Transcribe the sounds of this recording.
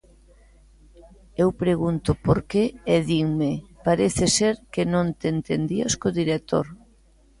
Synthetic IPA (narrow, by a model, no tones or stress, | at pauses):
ewpɾeɣunt̪ʊpoɾkeeðiŋmɪpaɾeθɪseɾkɪnõnt̪ent̪end̪iaskoðiɾek̚t̪o̰ɾ